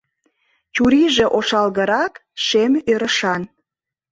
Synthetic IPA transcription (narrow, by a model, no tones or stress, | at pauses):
t͡ɕuɾiʒe̽ʔoʃɑlɣəɾɑkʃemøɾəʃɑn